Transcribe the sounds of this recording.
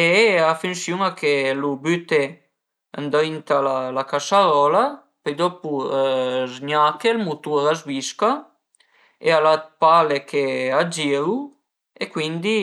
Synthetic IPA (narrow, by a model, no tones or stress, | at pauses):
eafynsjuŋakʰelubyt̪e | a̰nd̪int̪alalakasaɾɔla | pejd̪ɔpu | zɲakelmut̪uɾazviska | ealapalekʰead͡ʒiɾu | ekwind̪i